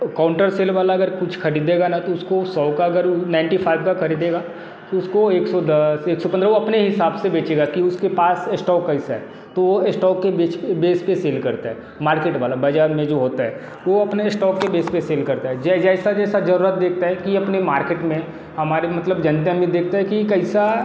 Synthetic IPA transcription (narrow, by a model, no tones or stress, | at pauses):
kãːʊ̃ɳʈəɾseːlʋaːlaɐɡəɾkʊt͡ʃʰkʰɐɾiːd̪eːɡanat̪oʊskosɔːkaɐɡəɾnãɪ̃ɳʈipʰaːɪbkakʰɐɾiːd̪eːɡa | kiʊskoeːksɔd̪əseːksɔpɐ̃nd̪ɾaʋoɐpneɦɪsaːbsebeːt͡ʃeːɡakiʊskepaːsesʈɔːkːaɪsaɦɛː | t̪oʋoɪsʈɔːkːebeːt͡ʃbeːspeseːlkɐɾt̪aɦɛː | maːɾkeːʈʋaːlabaːd͡ʒaːɾmẽd͡ʒoːɦoːt̪aɦɛ | ʋoɐpnesʈɔːkːebeːspeseːlkɐɾt̪aɦɛd͡ʒɛd͡ʒɛːsad͡ʒɛːsad͡ʒɐɾuːɾət̪̚d̪eːk̚ʰt̪aɦɛkiɐpnemaːɾkeːʈmẽ | hɐmaːɾemɐt̪ləbd͡ʒɐ̃nt̪̬jamẽd̪eːk̚ʰt̪aɦɛkikɐɪsa